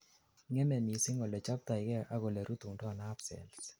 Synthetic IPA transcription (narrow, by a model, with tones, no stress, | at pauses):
ŋɛ˦mɛ˨mi˨sɪ˦ŋo˨lɛ˨t͡ʃa˦p̚t̪a˨ɪ˨kɛ˦ʔa˦ɣɔ˨lɛ˨ɾu˦t̪u˨ŋdɔ˦˨na˦psɛ̰˨ls